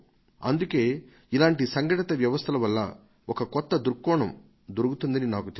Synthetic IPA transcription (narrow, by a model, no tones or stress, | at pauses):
ɐnd̪uke̞ː | ilaːɳʈisɐŋɡɐʈɐt̪ɐʋjɐʋɐst̪ʰɐlɐʋɐlːɐ̰ | ɔkɐkɔt̪ːɐd̪uɾkːɔːɳɐm | d̪oɾuɡut̪und̪ɐninaːkut̪e